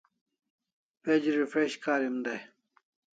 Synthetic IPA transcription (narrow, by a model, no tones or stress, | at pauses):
ped͡ʑiɾifɾeɕkaːɾimd̪ɐj